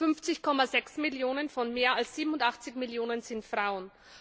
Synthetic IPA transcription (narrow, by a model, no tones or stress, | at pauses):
fʏnft͡sɪçkʰɔmazɛksmɪljoːnənfɔnmeːɐalsz̥iːbm̩ʊntaχt͡sɪçmɪljoːnənz̥ɪntfʁ̥aʊən